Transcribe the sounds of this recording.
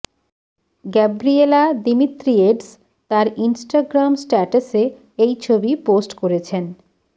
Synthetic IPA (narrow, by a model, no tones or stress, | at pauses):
ɡɛbɾielad̪imit̪ɾieɖs | t̪aɾinsʈaɡɾamsʈɛʈase | ejt͡ɕʰobiposʈkoɾet͡ɕʰen